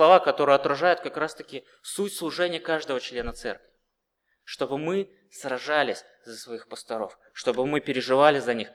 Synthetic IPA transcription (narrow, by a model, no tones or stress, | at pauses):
lˠɐvakɐt̪o̞ɾɨjɐt̪ɾɐʐajʊt̪̚kɐkɾast̪əkʲɪ | sutʲslˠʊʐɛnʲɪjəkaʐd̪əvət͡ɕlʲenət̪sɛ̰rkvʲɪ | ʂt̪o̞bɨmɨ | srɐʐalʲɪsʲ | z̥əsvɐixpəst̪ɐɾo̞f | ʂt̪o̞bɨmɨpʲɪɾʲɪʐɨvalʲɪzɐnʲix